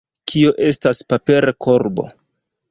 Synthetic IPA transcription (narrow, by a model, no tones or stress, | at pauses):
kʰioʔe̞staspape̞ɾakʰoɾbo̞̰